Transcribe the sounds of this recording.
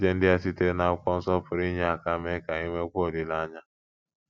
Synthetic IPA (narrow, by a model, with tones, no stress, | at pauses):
d͡ʒe˦n̩˦dɪ˦a˦si˦te˦ɾe˦na˨˦kʷɔ˦n̩˦sɔ˦pʊ˨ɾi˦ɲe˦a˨ka˦me˦ka˨i˦me˦kʷo˦˨dɪ˨la˦ɲa˦